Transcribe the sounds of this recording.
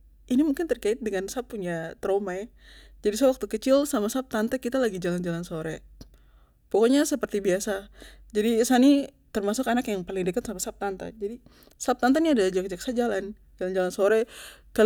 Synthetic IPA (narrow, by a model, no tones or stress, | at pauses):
inimuŋkɪnt̪ərkaɪt̪̚dəŋansapːuɲat̪ɾomajad͡ʒadiswak̚t̪ukət͡ʃɪlsamasap̚t̪ant̪akit̪alaɡid͡ʒaland͡ʒalansoɾɛ | pokoɲasəpərt̪ibiasad͡ʒadisani | t̪ərmasʊkanakjaŋpalɪŋdəkat̪samasap̚t̪ant̪a̰d͡ʒadi | sap̚t̪ant̪aniadalad͡ʒakəd͡ʒaksad͡ʒalan | d͡ʒaland͡ʒalansoɾɛkal